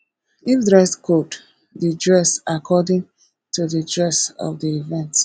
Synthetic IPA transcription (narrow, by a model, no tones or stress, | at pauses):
ifdɹaskot | didɹɛsakʰɔdɪ̃ŋ | tuðədɹɛsɔ̰fdiivɛ̃nt